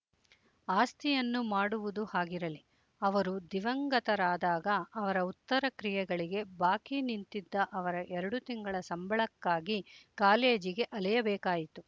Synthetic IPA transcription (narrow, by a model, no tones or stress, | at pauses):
aːst̪ʰijɐnːumaːɽuʋud̪uhaːɡiɾɐli | ɐʋɐɾud̪iʋɐŋɡɐt̪ɐɾaːd̪aːɡɐːʋɐɾɐut̪ːɐɾɐkɾijɛɡɐɭiɡe̞baːkinint̪id̪ːɐʔɐʋɐɾɐʔɛɾɐɽut̪iŋɡɐɭɐsɐmbʱɐɭɐkːaːɡikaːleːd͡ʒiɡe̞ʔɐlɛjɐbɛːkaːjit̪u